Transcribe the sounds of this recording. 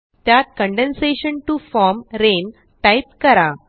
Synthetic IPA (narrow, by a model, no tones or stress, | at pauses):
t̪jat̪̚kə̃ɳɖẽnseɕənʈufɔɾmɾen | ʈajp̚kəɾa